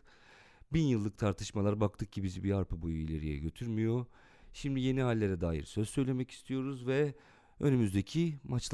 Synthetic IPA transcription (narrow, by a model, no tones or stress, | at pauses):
binjɯlˠːɯk̚t̪ʰaɾt̪ʰɯʃmalˠaɾbak̚t̪ʰɯk̚cʰibizibiaɾpʰɯbojuilʲḛɾḭjɛ̰ɟø̞t̪ʰyɾmijo̞ | ʃimd̪ije̞niɦalʲːe̞ɾɛd̪aːjḭɾsø̞zsø̞jlʲe̞mɛci̥st̪ʰijo̞ɾuzvɛ | ø̞̰nymyzd̪e̞cʰimat͡ʃ̪ˠ